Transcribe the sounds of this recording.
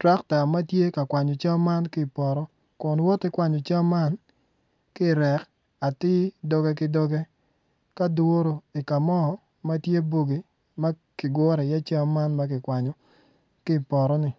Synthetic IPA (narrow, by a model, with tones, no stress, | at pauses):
tɾa˦kta˨ma˦tje˦ka˨kwa˨ɲɔ˨t͡ʃa˦ma˦nkɪ˦˨pɔ˨ɾɔ˦ | kʊ˨nwɔ˦tɪ˦kwa˨ɲɔ˨t͡ʃa˦mːa˦n | kɪ˦˨ɾɛ˨k | a˨tɪ˦dɔ˦ɡɛ˦k̬ɪ˦dɔ˦ɡɛ˦ | ka˦do˦ɾo˨ɪ˨ka˨mɔ˦˨ | ma˦tje˦bo˦ɡi˨ | ma˦ | kɪ˨ɡɔ˦ɾɛ˨ja˦t͡ʃa˦ma˦nma˦kɪ˨kwa˨ɲɔ˨ | kɪ˦˨pɔ˨ɾɔ˦nɪ˨